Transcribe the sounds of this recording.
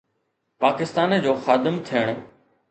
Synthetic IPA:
paːkɪst̪aːnd͡ʑoːxaːd̪ɪmt̪ʰijəɽ̃

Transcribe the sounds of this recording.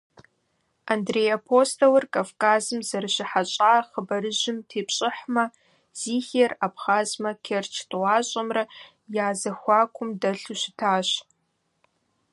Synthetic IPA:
andrejapʰostʰowɨrkʼavkʰʼaːzɨmzɐrʃɪħat͡ʃʼaːχəbɐɾɨʒɪmtʰeːpʰɕʼɪħmɐ | z̥iːxerapχaːzmɐkʲʰert͡ʃʰtʼwaːɕʷʼɐmrɐ | jaːzɐxʷɑːkʷʰʊmdɐɬuʃɪtʰaːɕ

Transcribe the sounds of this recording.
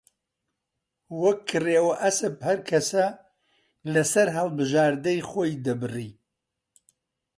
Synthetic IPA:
wɐkʰːɨreːwɐʔɐsɨphɐɾkʰɐsɐ | lɐsɐɾɦɐlˠbɨʒaːɾd̪ɐjχoːjd̪ɐbɨriː

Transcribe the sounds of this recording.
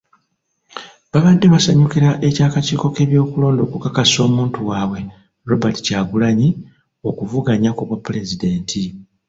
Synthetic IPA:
βaβadːeβasaɲukiɾaʔe̞caːkaciːko̞ke̞ːβjo̞ːkulo̞ːndo̞ːkukakaso̞ːmuːntuwaːwe̞ | ɾo̞bati̥caːɡulaɲi | o̞kuvuɡaɲakoβwapːule̞zide̞ːntʰi

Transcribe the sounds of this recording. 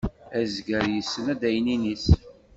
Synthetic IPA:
æzɡəɾjəsːənæd̪æjəninis

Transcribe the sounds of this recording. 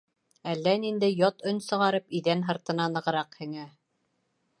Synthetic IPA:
ælːænind̪æjɒt̪ɵnʲsɤ̆ʁɑɾɤpiðænɦɤ̆ɾt̪ɤ̆nɑnɤ̆ʁɤ̆ɾɑqhɘ̆ŋæ

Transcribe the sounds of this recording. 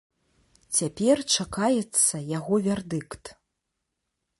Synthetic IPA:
t͡sʲapʲɛrt͡ʂakajɛt̪sːɐjaɣɔvʲɛrd̪ɨkt̪

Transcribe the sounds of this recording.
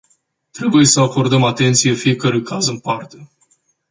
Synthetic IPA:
t̪ɾe̞buje̞səako̞rd̪əmat̪e̞nt̪sije̞fije̞kəɾujkʰazɨmpart̪e̞

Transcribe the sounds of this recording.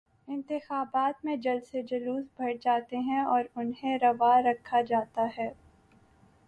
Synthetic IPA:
ɪ̃nt̪ɪxaːbaːt̪mẽd͡ʒɐlsed͡ʒɐluːsbʱɐɽd͡ʒaːt̪eɦɛ̃ɔːɾʊnɦẽɾɐʋaɾɐkʰːad͡ʒaːt̪aɦɛː

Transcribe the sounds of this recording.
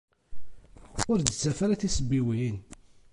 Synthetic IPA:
ʊɾd̪ət͡sːæfæɾæθisəbːiwin

